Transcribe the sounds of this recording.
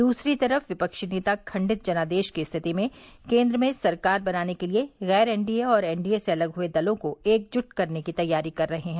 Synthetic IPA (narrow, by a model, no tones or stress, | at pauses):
d̪uːsɾit̪ɐɾəfʋɪpəkʃneːt̪akʰɐ̃ɳɖɪt̪̚d͡ʒɐnaːd̪eːʃkiɪst̪ʰɪt̪imẽkẽːnd̪ɾəmẽsɐɾkaːɾbɐnaːnekelieɣɛːɾɛ̃ːɳɖieɔːɾɛːɳɖieseɐləɡɦʊed̪ɐlõkoeːk̚d͡ʒʊʈkɐɾnekit̪ɐjːaːɾikɐɾːɐɦeɦɛ̃ː